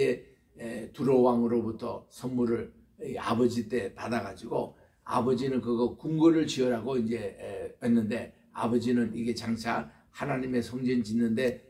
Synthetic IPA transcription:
e̞ | tuɾowaŋɯɾobutʰʌ̰sʰʌnmuɾɯɭ | ia̰bʌd͡ʑit͈e̞padaɣad͡ʑiɡo | a̰bʌd͡ʑinɯnkɯɡʌkuŋɡɯɾɯɭt͡ɕiʌɾaɡoind͡ʑe̞enːɯnde̞ | a̰bʌd͡ʑinɯniɡe̞t͡ɕaŋt͡ɕʰa | hanaɲime̞sʰʌŋd͡ʑʌnd͡ʑinːɯnde̞

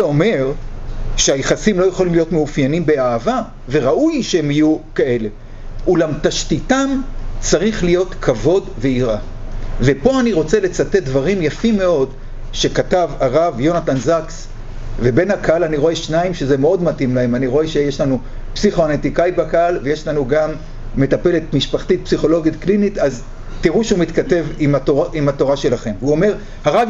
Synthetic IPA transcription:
eome̞ʁʃeajeχasimlo̞jeχolimlijo̞tmeufjanimbe̞aːva | ve̞ʁaʔujʃeemijukae̞le̞ | ulamtaʃtitamt͡saʁiχlijo̞t̪kʰavo̞dve̞iʁa | ve̞po̞aniʁo̞t͡se̞le̞t͡sate̞t̚d̪vaʁimjafimːe̞o̞d | ʃe̞katavaʁavjo̞natanzaks | ve̞be̞nhakaalaniʁoeʃnaimʃeze̞meo̞dmatimlahe̞maniʁo̞eʃejeʃlanu | psiχoanet̪ikait̚bakaalve̞je̞ʃlanuɡamː | e̞tape̞le̞t̪miʃpaχt̪it̪̚psiχo̞lo̞ɡit̪klinit̪az | tiʁuʃeumit̪kate̞vimaoaʔimato̞ʁaʃe̞laχe̞mvuome̞ʁ | haʁav

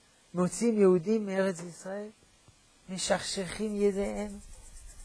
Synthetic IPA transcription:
mot͡simjehud̪imːeeʁet͡sisʁael | meʃaχʃeχimjed̪eʔem

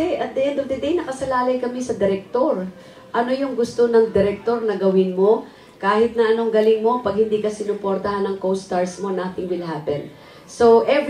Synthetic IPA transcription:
ɛʔɐd̪ɛʔɛ̃nd̪ofd̪ɐd̪ejnɐkɐsɐlaːlɐjkɐmɛsɐd̪ɛɾɛk̚t̪o̞ɾ | ʔɐno̞jʊŋɡʊst̪o̞nɐŋd̪ɛɾɛk̚t̪o̞ɾnɐɡɐwɪnmo̞ | kaːhɪt̪̚nɐʔɐno̞ŋɡɐlɪŋmo̞pɐɡ̚hɪnd̪ikɐsɪnʊpoɾt̪ɐhanɐŋkowst̪aɹsmo̞nat̪ɪŋwɪlhaːpɛ̰n | soʔɛv

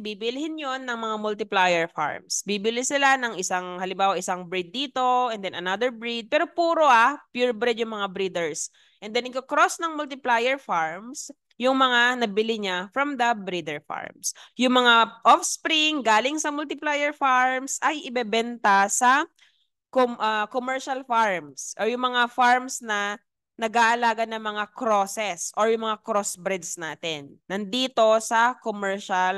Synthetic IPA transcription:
bibɪlɪhɪnjonːɐŋmɐŋamʊlt̪ɪplajɛɹfa̰ɹmsbibɪlɪsɪlanɐŋʔɪsaŋhɐlɪmbaːwɐʔɪsaŋbɹid̪̚ːiːt̪o̞ʔɛnd̪ɛnɐnad̪ɛɹbɹid̪̚pɛːɾopuːɾoʔapjuɹbɾɪd̪jʊŋmɐŋabɾid̪ɛɹs | ʔɛnd̪ɛnɪkokɾosnɐŋmʊlt̪ɪplajɛɹfaɹms | jʊŋmɐŋanɐbɪlɪɲafɹɐmd̪ɐbɾid̪ɛɹfa̰ɹmsjʊŋmɐŋaʔofspɾɪŋɡaːlɪŋsɐmʊlt̪ɪplaːjɛɹfaɹmsʔɐjʔɪbɛbɛnt̪ɐsɐ | koʔɐkomɛɹʃɐlfaɹmsʔoɹjʊŋmɐŋafaɹmsnɐ | nɐɡaːʔɐlaːɡɐnɐŋmɐŋakɾosɛsʔoɹjʊŋmɐŋakɾosbɾɪd̪snaːt̪ɛnːɐnd̪iːt̪o̞sɐkomɛɹʃɐl

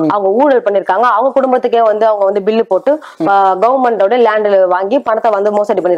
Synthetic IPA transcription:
ʔɐʋɐŋɡɐuːɽɐlpɐɳːɪɾɯkːaːŋɡɐːʋɐŋɡɐkʊɽʊmbɐt̪ːɯk̬ːeːʋɐnd̪ɯɐʋɐŋɡɐʋɐnd̪ɯbɪlːɯpoːʈːɯ | ɡɐʋɐɾmɛɳɖoːɽɐlaːɳɖɪlʋaːŋɡipɐɳɐt̪ːɐʋɐnd̪ɯmoːsɐːʈːipɐɳːɪɾkː

